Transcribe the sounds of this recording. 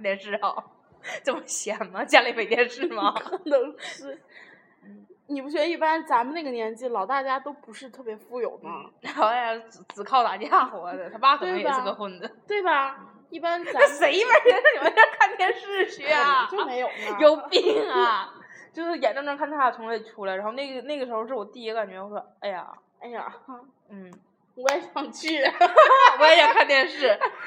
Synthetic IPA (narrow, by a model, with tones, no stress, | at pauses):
nt̪ʰjɛ˧˩nʂɻ̩˥˩xɑ˨˩˦ʊ | ʈ͡ʂə˥˩mə˩ɕjɛ˨˩˦nmɐ˧t͡ɕja˥li˥˩me˨˩ɪt̪jɛ˧nʂɻ̩˥˧˩mɐ˩˧˥nə˧˥ŋʂɻ̩˥˩ | n̩˥˩ni˨˩pu˧˥t͡ɕɥɛ˧˥d̪ə˧i˥˩pa˥nt͡sa˧˥mə˨˧na˥˩ɡə˩njɛ˧˥nt͡ɕi˥˩lɑ˨˩ʊt̪a˥˩t͡ɕja˥t̪o˥ʊpu˧˥ʂɻ̩˥˧t̪ʰɤ˥˩pjɛ˧˥fu˥˩jo˨˩ʊd̪ə˧˥˧a˥˧a˧t͡s̩˧˩t͡sɹ̩˨˩kʰɑ˥˧ʊt̪a˨˩t͡ɕja˥˩xwɔ˧˥d̪ə˧˩t̪ʰa˥˩pa˥kʰə˨˩˥m˩˧˥jɡə˧xwə˥˩nd͡zə˩t̪we˥˩ɪbɐ˩ | i˥˩pa˥nn˧a˥˩ʂe˧˥ɪi˥˩pa˥˧˥me˧˥jo˥˧˩kʰa˥˧nt̪ʰjɛ˥˧nʂɻ̩˥˧ɕy˥˧˥ɐ˨˩t͡ɕo˥˧˩me˧˥jo˨jo˨˩ʊpi˨˩ŋɐ˨˩t͡ɕjo˥˧ʊʂɻ̩˥˩jɛ˨˩nʈ͡ʂə˥ŋʈ͡ʂə˧˥ŋkʰa˥˩nt̪ʰa˥˩a˩tʰʊ˧˥le˥˩ɪʈ͡ʂʰu˧˥lɻa˧˥xo˧ne˥˩ɡə˩ne˥˩ɡə˩ʂɻ̩˧˥xo˧ʊʂɻ̩˥˩wɔ˨˩t̪i˥˩i˥˧ka˨˩nt͡ɕɥɛ˧˥jo˥˧ʊ˩a˧˩a˥˧ɪja̰˨˩ | a˥ɪja̰˨˩ | n̩˥˩˧ | ka˥˧ɪfɑ˥˧ŋt͡ɕʰi˥˩ | a˥ja˧˩kʰa˥˧nt̪ʰjɛ˥˧nʂɻ̩˥˩